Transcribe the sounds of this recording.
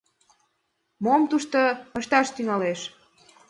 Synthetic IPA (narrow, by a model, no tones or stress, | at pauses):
momt̪uʃt̪oəʃt̪ɑʃt̪yŋɑleʃ